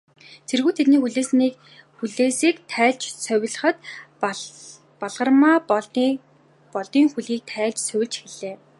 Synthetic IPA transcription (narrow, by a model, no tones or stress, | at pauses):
t͡sʰerɣuːt̪ʰet̪niːxuɮeːsniːk | xuɮeːsiːkt̪ʰæːɮt͡ɕsœw̆ʲɮə̆χə̆t̪ | pɔɮʁə̆rmaː | pɔɮt̪iːŋxuɮiːk̚t̪ʰæːɮt͡ɕsœwʲɪ̆ɮt͡ɕxeɮ̥eː